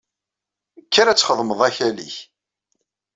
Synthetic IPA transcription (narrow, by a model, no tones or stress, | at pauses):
kʰːæɾæt͡sːχəðˤməðˤæçælḭç